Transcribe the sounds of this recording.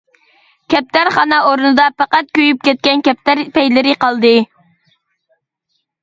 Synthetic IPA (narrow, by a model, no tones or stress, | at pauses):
kʲʰɛp̚t̪ʰæɾχɑnɑoɾunɨd̪ɑpɑqɑt̪̚kʲøjyp̚kʲɛt̪̚kʲɛnkʲʰɛp̚t̪æɾpɛjlɪɾɪqɑlˠd̪ɨ